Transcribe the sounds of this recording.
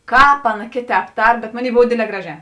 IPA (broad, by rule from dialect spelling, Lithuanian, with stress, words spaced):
ˈkɑːp ˈɑːˌnɐ ˈkʲeːˌtʲɛːp ˈtɐr bʲɛt ˈmoːˌnʲeːɪ ˈboːw ˈdʲeːdʲˌlʲɛː ˈɡrɑːˌʒʲɛː